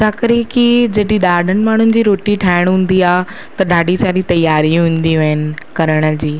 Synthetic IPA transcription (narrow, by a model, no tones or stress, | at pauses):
t͡ɕaːkəɾekid͡ʑɐʈiɗaːɖʱənɪ̆maːɳ̤ʊnɪ̆d͡ʑiːɾoːʈiʈʰaːɪɽ̃ɦʊ̃ːn̆d̪iaːɦ | t̪ɐɖaːɖʱisaːɗit̪ɐjaːɾĩɦũːn̆d̪iɦɪnɪ̆kɐɾəɽ̃ə̆d͡ʑiː